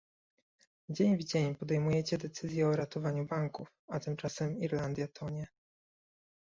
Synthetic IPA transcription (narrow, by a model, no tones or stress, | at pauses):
d͡ʑeɲvd͡ʑeɲpɔd̪ɛjmujɛt͡ɕɛd̪ɛt̪sɘzʲjɛɔɾat̪ɔvaɲubaŋkufat̪ɘmt͡ʂasɛmiɾland̪ʲjat̪ʰɔɲɛ